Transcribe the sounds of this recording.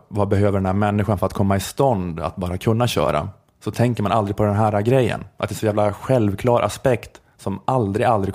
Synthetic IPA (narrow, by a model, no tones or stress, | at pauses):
vabɛɦøːvəɖɛnæːɾmɛnːɪɧanfœɾat̪̚kʰɔmːaɪst̪ɔnd̪a̰t̪̚bɑːɾakʰɵnːaɕœ̰ːɾa̰ | sɔt̪ʰɛŋkəɾmanʔald̪ɾɪɡ̚pʰɔd̪ɛnɦæːɾaɡɾɛjːə̰nʔat̪ɛsɔjæːvlaɧɛlvkʰlɑːɾʔa̰spɛkt̪ | sɔmald̪ɾɪɡald̪ɾɪɡ